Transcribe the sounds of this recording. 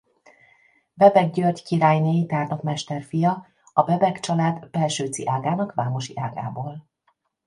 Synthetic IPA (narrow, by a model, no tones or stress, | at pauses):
bɛbɛɡɟørɟkiɾaːjneːjit̪aːrnokmɛʃt̪ɛrfijɒ | ɒbɛbɛkt͡ʃɒlaːd̪bɛlʃøːt̪sḭʔaːɡaːnɒkʋaːmo̞ʃiʔaːɡa̰ːboːl